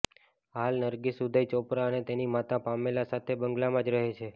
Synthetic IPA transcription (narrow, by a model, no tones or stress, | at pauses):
ɦalnəɾɡisud̪ʱajt͡ʃɔpɾaənet̪enimat̪apamelasat̪ʰebəŋɡlamãd͡ʒɾəɦet͡ʃʰe